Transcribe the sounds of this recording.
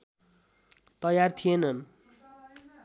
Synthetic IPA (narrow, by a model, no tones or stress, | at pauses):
t̪ʌjart̪ʰijenʌn